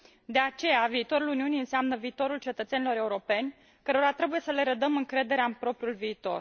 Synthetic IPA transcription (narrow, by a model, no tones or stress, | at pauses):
d̪e̞at͡ʃe̞javiːt̪o̞ɾuluniunijɨnseamnəviːt̪o̞ɾult͡ʃe̞t̪ət̪se̞nilo̞ɾe̞uɾo̞pe̞nʲ | kəɾo̞ɾat̪ɾe̞buje̞səle̞ɾəd̪əmɨŋkɾe̞d̪e̞ɾeaɨnpɾo̞pɾiulviːt̪o̞̰r